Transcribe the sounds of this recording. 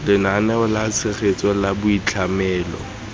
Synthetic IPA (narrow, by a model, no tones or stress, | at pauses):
lɪnanɛʊlat͡sʰɪχet͡sʼɔlabʊit͡ɬʰamɛːlɔ̰